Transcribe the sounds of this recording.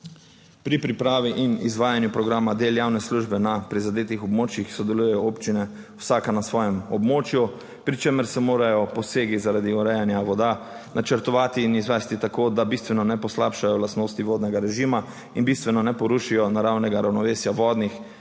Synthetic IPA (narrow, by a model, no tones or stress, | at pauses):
pɾipɾipɾaːʋiʔinizʋaːjanjupɾɔɡɾaːmad̪eːljaːwnɛsluʒbɛnapɾizad̪eːt̪ixɔbmoːt͡ʃjixsɔd̪ɛlujɛjɔoːpt͡ʃinɛ | wsaːkanasʋɔːjɛmɔbmoːt͡ʃju | pɾit͡ʃeməɾsɛmoːɾajɔpɔseːɡizaɾad̪iɔɾɛjanjaʋɔd̪a | nʔat͡ʃəɾt̪ɔʋaːt̪iːnizʋɛːst̪it̪akoːd̪abist̪ʋɛnɔnɛpɔslapʃajɔlast̪noːst̪iʋoːd̪nɛɡaɾɛʒiːma | inbist̪ʋɛnɔnɛpɔɾuʃijɔnaɾawnɛɡaɾawnɔʋeːsjaʋɔːd̪nix